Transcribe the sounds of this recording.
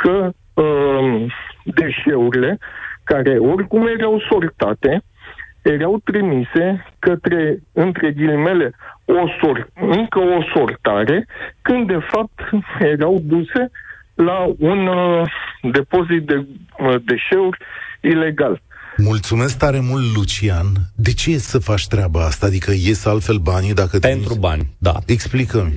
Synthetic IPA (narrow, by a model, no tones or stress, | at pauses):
kə | d̪e̞ʃe̞uɾile̞kaɾe̞o̞rʲkumje̞ɾawso̞lt̪at̪e̞ | je̞ɾawt̪ɾimise̞kət̪ɾe̞ɨnt̪ɾe̞ɡilme̞le̞o̞sorɨŋkəo̞so̞rt̪aɾe̞kɨnd̪dːe̞fap̚t̪je̞ɾawd̪use̞ | laun | d̪e̞po̞zit̪̚d̪ed̪e̞ʃe̞uɾʲile̞ɡalmult̪sume̞sk̚t̪aɾe̞mult̪lut͡ʃiand̪e̞t͡ʃejessəfat͡ʃʲt̪ɾeabaast̪aːd̪ikəje̞salt̪fe̞lbanid̪akət̪pent̪ɾuba̰nʲd̪a̰eksplikəm